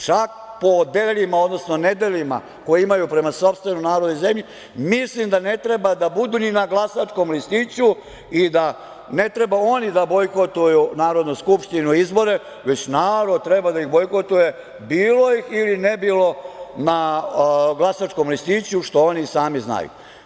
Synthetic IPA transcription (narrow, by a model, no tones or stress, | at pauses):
t͡ʃak̚ | po̞d̪eʎimaod̪no̞sno̞ne̞d̪e̞lʎima̰ | ko̞jeimajupɾe̞maso̞pst̪ʋe̞nonaːɾod̪ojzemʎi | mislimd̪ane̞t̪ɾe̞bad̪abud̪uninaɡlˠasat͡ʂko̞mlist̪it͡ɕu | id̪a | ne̞t̪ɾe̞bao̞nid̪abo̞jko̞t̪ujunaːɾo̞d̪nuskupʂt̪inuizbo̞ɾe̞ | ʋe̞t͡ɕnaːɾo̞d̪̚t̪ɾebad̪aixbo̞jkot̪uje̞ | biːlo̞jixilinebiːlo̞na | ɡlˠasaʈ͡ʂko̞mlist̪it͡ɕuʃt̪o̞onisaːmizna̰jṵ